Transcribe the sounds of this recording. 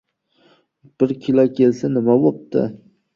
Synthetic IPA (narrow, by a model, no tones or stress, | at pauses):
b̥ɪɾkʲʰɪlakʲʰelsanɪmabop̚t̪ʰɪ̰